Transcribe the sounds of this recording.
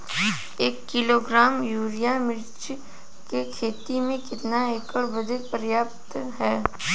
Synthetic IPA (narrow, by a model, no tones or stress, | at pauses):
eːkːɪloːɡɾaːmjuːɾijamɪɾt͡ʃ | kekʰeːt̪imẽkɪt̪naeːkəɽbɐd̪epəɾjaːpt̪ɦɛː